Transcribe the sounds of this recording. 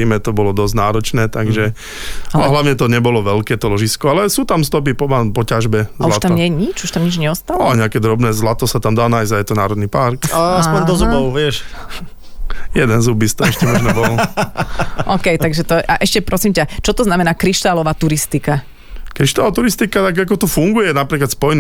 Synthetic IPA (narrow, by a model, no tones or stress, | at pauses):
iːmɛt̪ɔbɔlɔd̪ɔzɟnaːɾɔt͡ʃnɛːt̪aɡʒɛ | aaɦlaʊɲɛt̪ɔɲɛbɔlɔʋɛlkɛːt̪ɔlɔʒiskɔalɛsuːt̪amst̪ɔp̬ipɔapɔcaʒbɛzaulaʃt̪amɲɛjɲit͡ʃuʃt̪amɲid͡ʒɲɛɔst̪alaɔɲɛakɛːd̪ɾɔbnɛzlat̪ɔsat̪amd̪aːnaːjzajɛt̪ɔnaːɾɔd̪nipaɾkaaspɔɲd̪ɔzubɔʊʋɪɛʃ | jɛd̪ɛnzubist̪ɔɛʃcɛmɔʒnɛbɔl | ʔɔːkɛjt̪aɡʒɛt̪ɔʔa̰ʔɛʃcɛpɾɔsimcat͡ʃɔt̪ɔznamɛnaːkɾiʃt̪alɔʋaːt̪uɾist̪ika | kɾiʃt̪alɔʋat̪uɾist̪ikat̪aɡak̬ɔt̪ɔfuŋɡujɛnapɾiːklat̪spɔjn